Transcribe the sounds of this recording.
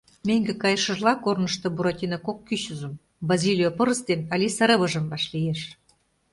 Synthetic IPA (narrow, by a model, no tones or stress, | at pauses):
mʲeŋʲɡĕkɑjɤʃə̆ʒlɑkornə̆ʃt̪ŏbuɾɑt̪ʲinɑkokːyɕuzə̆m | bɑzʲilʲijopɤ̆ɾə̆st̪enɑlʲisəɾə̆βə̆ʒə̆mbɑʃlijeʃ